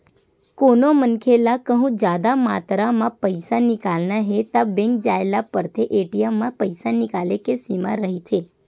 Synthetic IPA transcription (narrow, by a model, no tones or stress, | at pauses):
konomənkʰelakəɦũd͡ʒad̪amat̪ɾamãpəjsanɪkalnaɦet̪abẽŋk̚d͡ʒaelapəɾt̪ʰeʔeʈijamːãpəjsanɪkalekesimã̰ɾəɦit̪ʰe